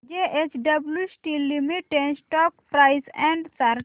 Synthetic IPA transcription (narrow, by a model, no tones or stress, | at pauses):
d͡ʒeʔet͡ʃɖɐbljusʈilimiʈːẽnsʈɔk̚pɾaɪsɛ̃ɳɖsaɾ